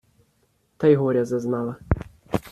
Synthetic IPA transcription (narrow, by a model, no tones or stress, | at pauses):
t̪ajɦɔɾʲazaznala